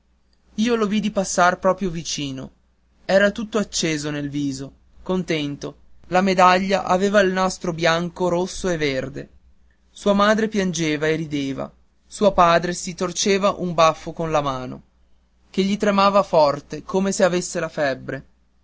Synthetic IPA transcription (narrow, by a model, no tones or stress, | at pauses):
iːolovid̪ipasːarpɾɔːpɾjovit͡ʃiːno̰ | ɛːɾat̪ut̪ːoat͡ʃːeːzonelviːzo | kont̪ɛnt̪olamed̪aʎːa̰ʔaveːvailnast̪ɾobjaŋkoɾosːoeverd̪e | suːamaːd̪ɾepjand͡ʒeːvaerid̪eːva̰ | suːapaːd̪ɾesit̪ort͡ʃeːvaʔumbafːokonlamaːno̰ | k̟eʎːit̪ɾemaːvafɔrt̪ekoːmeseavesːelafɛbːɾe